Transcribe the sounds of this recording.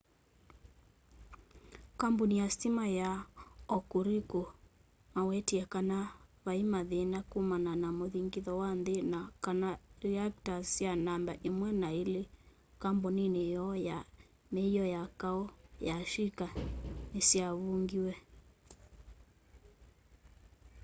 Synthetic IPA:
kambunijastimajaɔkuɾiku | mawɛtiakanaβaimaðenakumananamoðiŋɡiðɔwanðenakanaɾiaktasianambaʔimwɛnaile | kambuninejɔja | mɛjɔjakaɔjaʃikanesiaβuŋɡiwɛ

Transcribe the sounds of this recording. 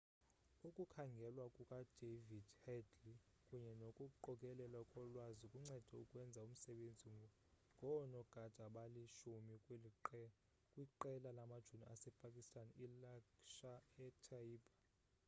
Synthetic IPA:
ukʼukʰaŋɡʱɛlwakʼukʼad̥ʱevid̥hɛdli | kʼuɲɛnokʼuǃɔkʼɛlɛlakʼɔlwazikʼuŋ͡ǀɛd̥ʱɛukʼwɛnd͡zʱaum̩sɛɓend͡zʱiŋ | ŋʱɔnɔɡ̥ʱad̥ʱaɓaliʃumi | kʼwiǃɛlalamad̥ʒ̥ʱuniasɛpʼakʼistʼanilakʃaɛtʰaiːbʼa

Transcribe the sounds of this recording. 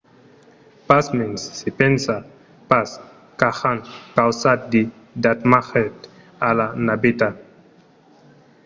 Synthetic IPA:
pasmensːipɛnsa | pas | kaxankawsat̪̚di | dat̪maxɛt | alanabita

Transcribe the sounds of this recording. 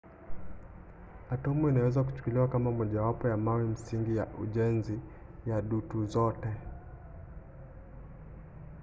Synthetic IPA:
atɔmuinawɛzak̬u̥t͡ʃu̥kuliwakamamɔʄawapɔjamawim̩siŋɡijaʔṵʄɛnzi | jaɗutuzɔtɛ

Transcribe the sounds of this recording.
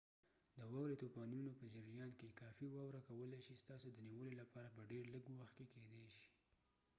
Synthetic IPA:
d̪əwɑwɾet̪opɑnunopəd͡ʒəɾjɑnkekɑfiwɑwɾakawəlajʃist̪ɑsod̪əniwəlolapɑɾapəɖeɾləɡwaxt̪̚keked̪ɛjʃi̥

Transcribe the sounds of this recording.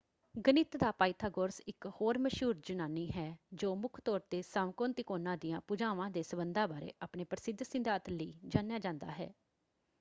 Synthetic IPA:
ɡənɪt̪d̪aːpaːɪt̪ʰaːɡoɾsɪkhoːɾməʃuːɾd͡ʒʊnaːniːɦɛːd͡ʒoːmʊkʰt̪ɔːɾt̪eːsaːʋkoːnt̪ɪkoːnãːd̪ɪjãːpʊd͡ʒaːʋãːd̪eːsəbənd̪ãːbaːɾḛːʔaːpneːpɾəsɪd̪ʱsɪ̃nd̪aːt̪ləḭːd͡ʒaːnjaːd͡ʒãːnd̪a̰ːɦɛ̰ː

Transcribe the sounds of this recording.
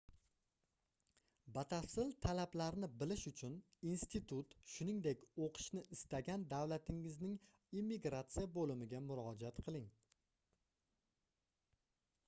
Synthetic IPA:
bat̪ʰasɪlt̪ʰalablaɾnɪbɪlɪʃʊt͡ʃʰʊninst̪it̪ʰʊt̪ʃʊnɪŋd̪ekʲoqʰɨ̥ʃnɪʔɪst̪aɡʲand̪awlat̪ʰɪŋɪznɪŋ | imːiɡɾat̪sijabolɪmɪɡʲamʊɾɒd͡ʒat̪qʰɨlˠɪŋ

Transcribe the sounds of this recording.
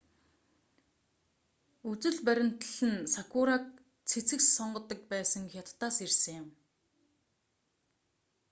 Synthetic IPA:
ut͡sɵ̆ɮpæɾʲɪ̆m̥t̪ə̆ɮɘ̆nsakʰʊɾaːk̚ | t͡sʰet͡sɘ̆ksɔɴɢɞ̆t̪ːə̆k̚pæːsə̆ŋxʲjat̪ːaːsersɘ̆ŋjʊm

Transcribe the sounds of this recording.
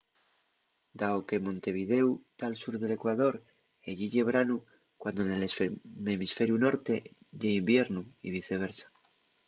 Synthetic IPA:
d̪aoke̞mõ̞nt̪e̞β̞ið̞e̞wt̪alsuɾðe̞le̞kwaðo̞ɾ | eʎiʎe̞βɾanu | kwand̪onelmemisfe̞ɾjuno̞ɾt̪e̞ʎeimbje̞ɾnuiβ̞iθe̞β̞e̞ɾsḁ

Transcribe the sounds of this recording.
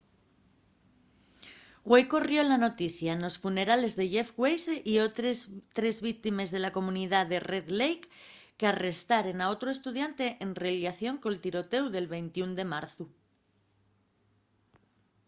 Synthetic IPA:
ɣwejko̞rjo̞lano̞t̪iθjano̞sfune̞ɾale̞zðe̞ʝe̞fɣwejseʔioet̪ɾe̞zβik̚t̪ime̞zðe̞lako̞mũniðaðe̞re̞ðlejkː | eare̞st̪aɾe̞nao̞t̪ɾo̞e̞st̪uð̞jant̪e̞ʔenreljaθjo̞ŋko̞lt̪iɾo̞t̪e̞wðe̞lβe̞jnt̪iund̪e̞maɾθu

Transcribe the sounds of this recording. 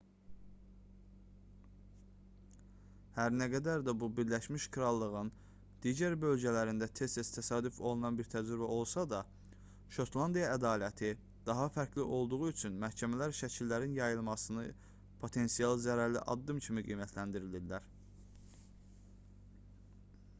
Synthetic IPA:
hæɾnæɡæd̪æɾd̪æbubiɾlæʃmiʃkʰɾɑlˠːɯʁɯn | d̪̥iːɟæɾbø̞lɟælæɾind̪æt̪ʰe̞st̪est̪ʰæsɑːd̪ufo̞lˠunɑnbiɾt̪ʰæd͡ʒɾybæʔo̞lˠsɑd̪ɑ | ʃo̞t̪ʰlˠɑnd̪ijɑæd̪ɑːlæt̪ʰi | d̪̥ɑɦɑfæɾcʰliʔo̞lˠd̪uʁuyt͡ʃʰynmæhcʰæmælæɾʃæcʰilːæɾinjɑjɯlˠmɑsɯnɯ | pʰo̞t̪ʰe̞nsijɑlˠzæɾæɾliʔɑ̰d̪ːɯmcʰimiɡḭːmæt̪ʰlænd̪iɾilid̪ːæɾ

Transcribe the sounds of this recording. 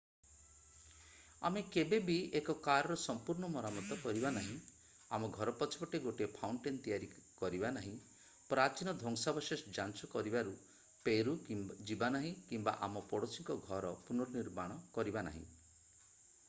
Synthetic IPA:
a̰mekebebiekɔkaɾɔɾɔsɔmpuɾɳɔmɔɾamɔt̪ɔkɔɾibanaɦĩ | a̰mɔɡʱɔɾɔpɔt͡ʃʰibɔʈeɡoʈiepʰawɳʈent̪ijaɾikɔɾibanaɦĩ | pɾat͡ʃinɔd̪ʱɔŋsabɔʃesd͡ʒant͡ʃɔkɔɾibaɾu | peɾud͡ʒibanaɦĩkimba̰ʔamɔpɔɽosiŋkɔɡʱɔɾɔpunɔɾɔniɾmaɽ̃ɔkɔɾibana̰ɦḭ̃

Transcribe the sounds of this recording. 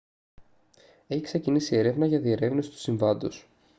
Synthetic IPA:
e̞çikse̞cinisie̞ɾe̞vnɐʝɐðie̞ɾe̞vnisi̥t̪u̥siɱvɐnd̪os

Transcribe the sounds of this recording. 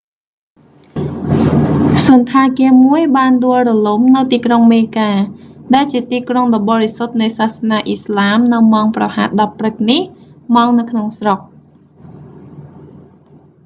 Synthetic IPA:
sŭənt̪ʰaːkiəmuəjɓaːnɗŭəlrɔlumnɨwt̪iːkroŋmeːkaːɗaɛlt͡ɕiət̪iːkroŋɗɑɓɑːɾisot̪̚nɨjsaːhsnaːʔislaːmnɨwmaɔŋprɑha̰ːt̪̚ɗɑpːrɨk̚nihmaːŋnɨwkʰnoŋsrok̚

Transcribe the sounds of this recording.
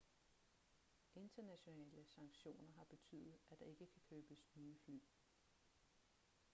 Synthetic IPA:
ʔe̝nd̥ɐnæɕo̝nɛɛ̰ːləsɑ̈ŋɡ̥ɕo̝̰ːnɐɦɑ̈b̥e̝t͡sʰy̰ːðˠð̩ˠæd̥ɑ̈e̝ɡ̥əkʰækʰøːb̥əsnyːfly̰ː

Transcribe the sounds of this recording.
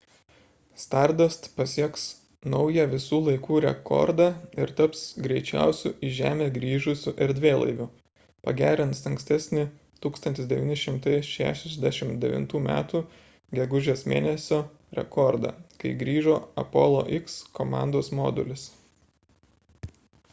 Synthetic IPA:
st̪ɑɾd̪ost̪pɐsʲiɛks | nɒʊjɛʋʲɪsuːlˠɐɪkuːɾʲɛ̰kɔ̰ɾd̪ɑːɪɾt̪ɐpsɡɾʲɛɪt͡ʃʲæ̰ʊsʲṵːʔɪʒʲæːmʲeːɡɾʲiːʒʊsʲʊʔɛɾʲd̪ʲʋʲeːlˠɐ̰ɪʋʲʊ | pɐ̰ɡʲæːɾʲɪnt̪sɐŋksʲt̪ʲɛsʲnʲɪ | t̪uːkst̪ɐnʲt̪ʲɪsd̪ʲɛʋʲiːnʲɪʃʲɪmt̪ɐɪʃʲæ̰ːʃʲɛzʲd̪ʲæʃʲɪmd̪ʲɛʋʲɪ̰nt̪uːmʲæ̰ːt̪uː | ɡʲɛɡʊʒʲeːsmʲḛːnʲɛsʲoː | ɾʲɛ̰kɔɾd̪ɑ̰ːkɐɪɡɾʲiːʒoːɐ̰pɔ̰ːlˠo̰ːʔɪkskomɑ̰ˑnd̪oːsmoːd̪ʊlʲɪs

